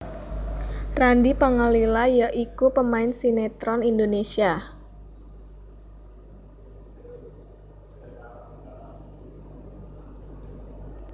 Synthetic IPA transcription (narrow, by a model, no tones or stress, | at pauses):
randipəŋəlilajəʔikupəmaɪnsinet̪ɾɔnindonesia